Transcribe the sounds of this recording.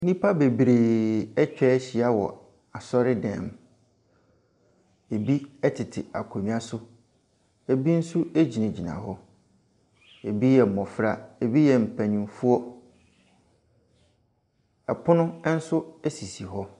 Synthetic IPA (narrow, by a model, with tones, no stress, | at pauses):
nĩ˦pʰa˦be˨bɾeː˨ɛ˦t͡ɕᶣɛ˦ɕi˨a˦wɔ̰˨ | a˨sɔ˦ɾɪ˦dɛ̰̃˨m | e˨bi˦ɛ˦tʰɪ˨tʰɪ˨a̰˨kʰo˨mĩ˦a˨sʊ˦ | e˨bi˦n̩˦su˦e˦d͡ʑi˨nã˨d͡ʑi˨nã̰˨ɦɔ˦ | e˨bi˦jɛ˨mɔ̃˨fɾa˨e˨bi˦jɛ˨m̩˨pʰæ̃˨ɲĩ˨mfu˦ɔ˦ | ɛ˨pʰʊ˦nʊ̃˦n̩˦sʊ˦ɛ˦si˨si˨ɦɔ˦